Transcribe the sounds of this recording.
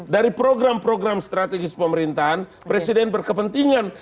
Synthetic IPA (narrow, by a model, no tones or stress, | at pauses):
daɾipɾoɡɾampɾoɡɾamst̪ɾat̪ɛɡɪspəməɾint̪aɦan | pɾɛsidɛnbərkəpənt̪iŋan